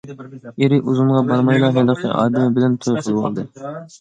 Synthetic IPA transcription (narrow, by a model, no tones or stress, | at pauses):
eɾɪʔuzuɴʁɑbɑɾmɑjlˠɑɦɛlˠəqʰə̰ʔɑ̰ːd̪ɨmɪbɪlɛnt̪ʰojqʰəlˠɨwɑ̰lˠd̪ɨ